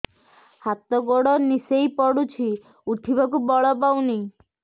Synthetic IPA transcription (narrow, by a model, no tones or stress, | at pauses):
hat̪ɔɡoɽɔnisejpɔɽut͡ʃʰi | uʈʰibɔkubɔɭɔpawni